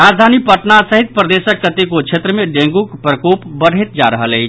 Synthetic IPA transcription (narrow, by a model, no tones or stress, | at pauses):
ɾad͡ʒd̪ʱanipəʈnasəɦit̪̚pɾəd̪esəkːət̪ikokt͡ʃʰet̪ɾəmeɖẽŋɡukpɾəkopbəɽ̤ʱɛt̪̚d͡ʒaɾəɦəlɛjt͡ʃʰ